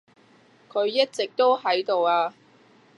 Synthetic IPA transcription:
kʰɵ˨˧ɥjɐ˥t̚t͡sɪ˨k̚t̪o˥wɦɐ˨˥jt̪o˨waː˧

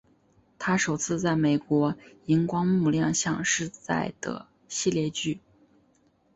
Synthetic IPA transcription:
t̪ʰa˥ʂo˨˩ʊt͡sʰɹ̩˥˧t͡sa˥˩ɪme˨˩ɪkwɔ˧˥ | i˧˥ŋkwɑ˥ŋmu˥˧ljɑ˥˧ŋɕjɑ˥˧ŋʂɻ̩˥˧t͡sa̰˥˩ɪd̪̥ə̰˩ | ɕi˥˧ljɛ˥˧t͡ɕy˥˩

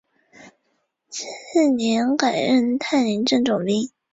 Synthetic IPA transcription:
t͡ɕ̩ʰ˥˩njɛ˧˥nka˨˩ɪɻə˥˧nt̪ʰa˥˩ɪni˧˥nʈ͡ʂə˥˩ŋʈ͡ʂʊ˨˩ŋli˥ŋ

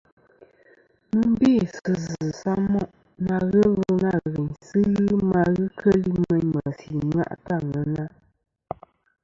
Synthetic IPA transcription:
mɨ˦m˦be˦˨sɨ˨zɨ˨sa˦ŋmɔ˦ʔ | na˨ɣə˦lo˦na˦˨ɣə˨ɲsɨ˦ɣɨ˦ma˨ɣɨ˦kʰə˦li˦mə˦ɲmə˨si˨ma̰˦ʔta˦˨ŋə˨˦na˦

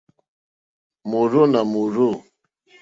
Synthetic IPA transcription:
mu˨ɾo˦na˨mu˨ɾu˦˨

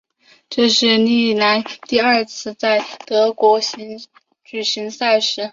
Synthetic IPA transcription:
ʈ͡ʂɤ˥˧ʂɻ̩˥˩˧ni˥˩na˧˥nt̪i˥˧ɐ˞˥˧t͡sʰɹ̩˥˧t͡sa˥˩ɪt̪ɤ˧˥kwɔ˧˥ɕi˧˥ŋ | t͡ɕy˨˩ɕi˧˥ŋsa˥˩ɪʂɻ̩˧˥

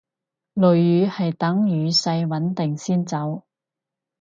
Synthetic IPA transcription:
lɵ˨ɥjyː˨˧hɐ˨jt̪ɐ˨˥ŋjyː˨˧sɐ˧jwɐ˨˥nt̪ɪ˨˩ŋsiː˥nt͡sɐ˨˥w

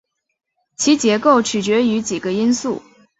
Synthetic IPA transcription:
t͡ɕʰi˧˥t͡ɕjɛ˧˥ko˥˩ʊt͡ɕʰy˨˩t͡ɕɥɛ˧˥y˧˥t͡ɕi˨˩ɡə˦i˥nsu˥˩

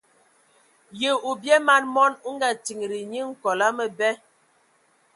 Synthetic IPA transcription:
je˨u˨bjɛ˦ma˦˨nmɔ˦nu˦ŋ˦ɡa˨ti˨ŋ˨ɾi˨ɲi˦ŋ̩˨kɔ˨la˦mə˨bɛ˦

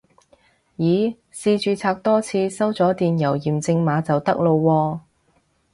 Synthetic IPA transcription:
jiː˨˧ | siː˧t͡ʃyː˨˧t͡sʰaː˧k̚t̪ɔː˥t͡sʰiː˧sɐ˥wt͡sɔː˨˥t̪iː˨njɐ˨˩wjiː˨˩mt͡sɪ˧ŋmaː˨˥t͡sɐ˨wt̪ɐ˥k̚lo˧wːɔː˧

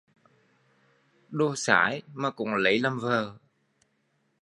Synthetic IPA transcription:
ɗo˧sa̰ː˧˩˦jmaː˨˩kʊ̰˧˥ŋ͡mŋlə˧˦jla˨˩mvəː˨˩

